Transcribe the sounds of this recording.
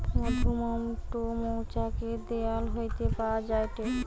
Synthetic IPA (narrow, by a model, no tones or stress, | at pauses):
mod̪umomʈomowt͡ʃaked̪ejalɦojt̪epawad͡ʑajʈ̪e